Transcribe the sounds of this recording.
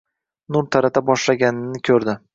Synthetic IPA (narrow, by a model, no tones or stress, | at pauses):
nʊɾt̪ʰaɾat̪ʰabɒʃlaɡʲanɪnɪkʲʰɵɾd̪ɪ